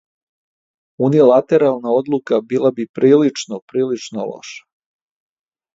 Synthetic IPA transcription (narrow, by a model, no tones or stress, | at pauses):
unilat̪eɾalˠnao̞d̪lukabilˠabipɾiːlit͡ʂnopɾiːlit͡ʂnolo̰ʃḁ